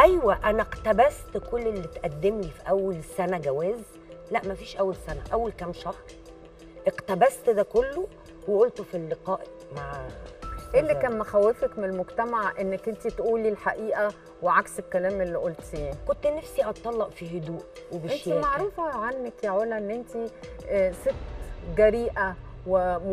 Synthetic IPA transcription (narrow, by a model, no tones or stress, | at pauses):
ʔæjwæʔænæqt̪æbæst̪kolːelːit̪ʔæd̪ːemlifiʔæwːælsænæɡæwæːz | læʔmæfiːʃʔæwːælsænæ̰ʔæwːælkæmʃɑhɾˤ | ʔeqt̪æbæst̪d̪æːkolːo | weʔolt̪ofilːeqɑːʔ | maʕʃʔelːikæːnmoxæwːefækmeelmoɡt̪æmaʕʔenːekʔent̪it̪ʔuːlːiːlħaʔiːʔæ | weʕakselkælæːmʔelːiʔolt̪jaʕnkont̪ːnæfsiʔɑt̪ˤːɑlːɑʔfiɦod̪uːʔwebeenʃimaʕɾuːfæʕanːækjaʕoːlæʔenːʔent̪i | set̪ːɡæɾiːʔæwe